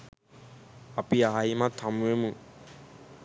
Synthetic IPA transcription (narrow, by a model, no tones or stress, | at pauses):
apiaimat̪ʰamuemu